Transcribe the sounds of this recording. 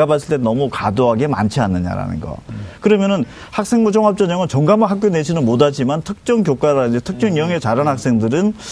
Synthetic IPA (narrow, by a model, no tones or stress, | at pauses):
abas̬͈ʰɯɭt͈enʌmukadoɦaɡe̞ma̰nt͡ɕʰianːɯɲa̰ɾa̰nɯ̰nɡʌ̰kɯɾʌmjʌnɯn | hak̚s͈e̞ŋmud͡ʑʌŋɦap̚t͡ɕ͈ʌɲʌŋɯnt͡ɕʌŋɡamɯɦak̚k͈joned͡ʑʰinɯnmodad͡ʑimantʰɯk̚t͡ɕ͈ʌŋkjok͈aɾaid͡ʑetʰɯk̚t͡ɕ͈ʌŋjʌŋet͡ɕaɾanhak̚s͈e̞ŋdɯɾɯn